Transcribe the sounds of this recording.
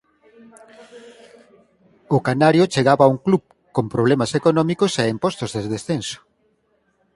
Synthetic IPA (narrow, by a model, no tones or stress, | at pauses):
ʊkanaɾjot͡ʃeɣaβauŋklup | kompɾoβlemasekonɔmikoseempɔst̪ozðezðesθenso̥